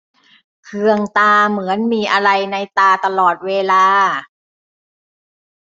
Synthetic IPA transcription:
kʰɯ˧əŋt̪aː˧mɯ˩˦ənmiː˧ʔa˧ɾa˧jna˧jt̪aː˧t̪a˧lɔː˨˩t̪̚weː˧laː˧

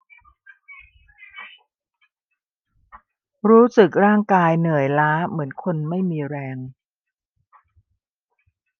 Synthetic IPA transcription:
ɾuː˦˥sɯ˨˩k̚ɾaː˥˩ŋkaː˧jnɯ˨˩əjlaː˦˥mɯ˩˦ənkʰo˧nma˥˩jmiː˧ɾɛː˧ŋ

